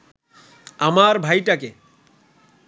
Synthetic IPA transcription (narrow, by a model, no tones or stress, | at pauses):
amaɾbʱajʈake